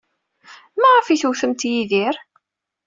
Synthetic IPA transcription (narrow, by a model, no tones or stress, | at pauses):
mæʁɑfiθuwθəmt̪jiðiɾ